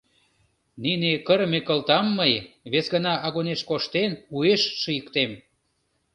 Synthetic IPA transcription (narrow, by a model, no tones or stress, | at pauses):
ninekəɾmekəlt̪ɑmːəjβesɣənɑɑɣoneʃkoʃt̪enueʃːəjəkt̪em